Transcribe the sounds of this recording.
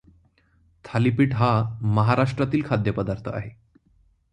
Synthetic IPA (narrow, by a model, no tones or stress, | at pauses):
t̪ʰalipiːʈɦaməɦaɾaʂʈɾat̪iːlkʰad̪jəpəd̪aɾt̪ʰəa̰ɦe